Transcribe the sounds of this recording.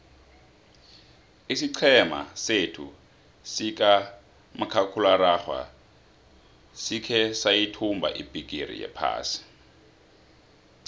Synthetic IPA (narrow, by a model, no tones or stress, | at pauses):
isiǀʰɛma̰setʰṵ | sikʼa | makʰakʰulaɾaxwa̰ | sikʰɛsajitʰumbʱa̰ʔibʱʼik̬ʼirḭjɛ̰pʰa̰ːsi̥